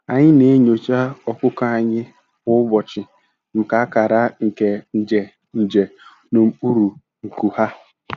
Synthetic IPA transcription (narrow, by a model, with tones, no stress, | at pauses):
a˨ɲɪ˦ne˦ɲo˨t͡ʃa˦ɔ˦kʊ˦ka˦a˦ɲɪ˦ | ʊ˦bɔ˨t͡ʃɪ˨ | ŋ̩˨ka˨a˦ka˨ɾa˦ŋ̩˨ke˨n̩˨d͡ʒe˨ | n̩˨d͡ʒe˨ | no˨m̩˦u˦ɾu˨ | ŋ̩˨ku˨ha˦